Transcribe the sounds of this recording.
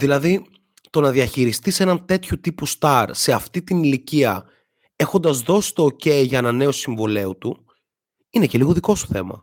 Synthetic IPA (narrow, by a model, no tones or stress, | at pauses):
ðilɐði | t̪o̞nɐðiɐçiɾist̪ise̞nɐnt̪e̞t̪çut̪ipust̪ɐɾse̞ɐft̪it̪iniliciɐ | e̞xond̪ɐzðo̞si̥st̪o̞ːce̞iʝɐenɐne̞osiɱvole̞ut̪u | ineceliɣoðiko̞st̪o̥θe̞̰mɐ̰